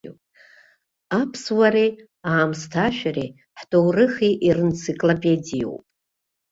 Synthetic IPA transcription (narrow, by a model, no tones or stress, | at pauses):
pʼ | apʰswaɾe | aːmstʰaʃᶣare | ħtʼowrɨχiʔirɨnt͡sʰikʼlopʼedijo̰wpʼ